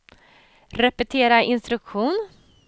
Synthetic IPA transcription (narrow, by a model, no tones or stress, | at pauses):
ɾɛpɛt̪ʰeːɾaʔɪnst̪ɾɵkɧuːn